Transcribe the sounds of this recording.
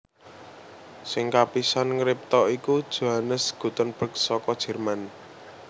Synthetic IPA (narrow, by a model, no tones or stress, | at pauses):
sɪŋkapisanŋɾɪp̚t̪ɔikud̥ʒ̥o̤ɦanəsɡ̥ṳt̪ənb̥ə̤k̚sɔkɔd̥ʒ̥ɛ̤rman